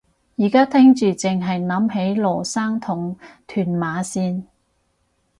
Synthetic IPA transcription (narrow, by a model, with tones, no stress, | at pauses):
jiː˨˩kaː˥t̪ʰɪ˥ŋt͡ʃyː˨t͡sɪ˨ŋɦɐ˨jnɐ˨˥mɦe˨˥jlɔː˨˩saː˥ŋt̪ʰʊ˨˩ŋt̪ʰyː˨˩nmaː˨˧˥siː˧n